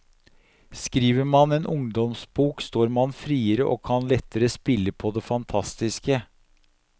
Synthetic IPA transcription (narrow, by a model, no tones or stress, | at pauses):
skɾiːʋəɾmɑneːnʔʊŋd̪ɔmsbuːkst̪oːɾmɑnfɾiːəɾəʔo̰ːkʰɑnlɛt̪ːəɾəspɪlːəpʰɔd̪ɛfɑnt̪ʰɑst̪ɪskə